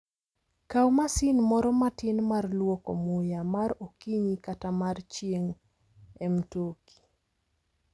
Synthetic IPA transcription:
kawmasɪnmɔɾɔmatɪnmarlwokɔ̰mʊjamaɾokiɲikatamart͡ʃjeŋ | ɛmtokʰi̥

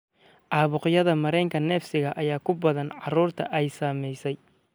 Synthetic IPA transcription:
ʔɑːβʊqjɐðɐmɐɾɛːŋkʰɐnɛːfsɪɣɐʔɐjaːkʰʊbɐðɐnʕɑruːrt̪ʰɐ̰ʔɛjsaːmɛjsɛj

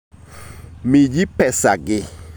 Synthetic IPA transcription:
mĩd͡ʒipɛsaɡɪ

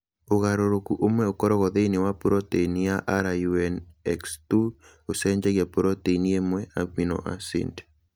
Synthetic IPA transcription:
oɣaɾoɾokuʔomwɛokɔɾɔɣɔðeinɪwapuɾɔteinijaʔaɾajuɛnɛkstu | osɛɲd͡ʒɛɡjapuɾɔteiniemwɛabinɔ̰ʔa̰sḭnd

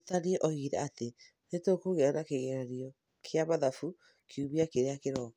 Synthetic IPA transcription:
taɾiɛʔɔiɾɛ̰ate | netokoɣeaɾakeɣeɾaɾiɔ | kʰeamaðafu | kʰiuβiakeɾeakeɾɔ

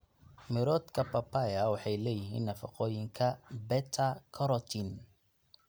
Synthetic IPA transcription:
mɪɾɔd̪kʰɐpʰɐpʰajɐwɑħɑjlɛːjɪɦḭːnːɐfɑ̰qɔːjɪŋkʰɐbɛt̪ʰɐkʰɔɾɔt̪ʰin

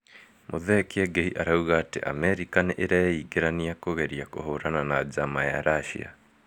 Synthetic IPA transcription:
mʔoðɛkiɛɡeiʔaɾauɣaːtḛʔa̰mɛɾikaneʔeɾaeiɡeɾaniakoɣɛɾiakoɦoɾananad͡ʑamajaɾaʃḭa̰

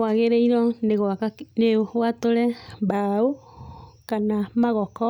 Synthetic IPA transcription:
waɣeɾeiɾɔneɣaaneɣwatoɾɛbao | kanamaɣɔkɔ

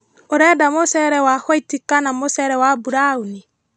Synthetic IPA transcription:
oɾɛdamosɛɾɛwahwoitikanamosɛɾɛwabuɾauni

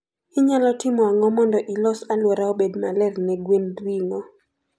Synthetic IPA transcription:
ɪɲalɔtɪmɔaŋɔmɔndɔʔilɔsalwɔɾaobedmalɛrnɛɡwendwiŋɔ

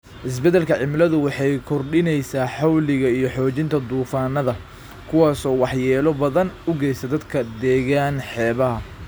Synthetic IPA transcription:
ʔɪs̬bɛd̪ɛlkʰɐʕɪmlɐðʊwɑħɑjkʰɔrɖɪnɛjsaːħɑwlɪɣɐijɞħɔːt͡ʃɪnt̪ʰɐd̪uːfaːnːɐðɐ | kʰʊwaːsɔːwɑħjɛːlɔbɐðɐnʊɡɛjsɐd̪ɐd̪kʰɐd̪ɛːɣaːnħɛːβɐɦɐ

